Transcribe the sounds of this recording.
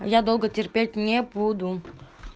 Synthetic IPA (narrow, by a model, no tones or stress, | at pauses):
jad̪olˠɡətʲerpʲelʲtʲnʲebud̪u